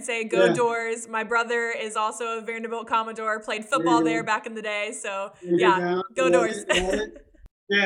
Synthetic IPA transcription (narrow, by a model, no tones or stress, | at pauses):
seɪɡoʊdɔɹzmaɪbɹʌðə˞ɪzɔlˠsoʊəvɛɹnɨbol̩ˠkʰɑmɨdɔɹpʰl̥eɪd̥fʊt̚b̥ɔlˠðə˞bækɨ̃n̩ðɨdeɪsoʊjæɡ̥oʊdɔɹz̥ | æ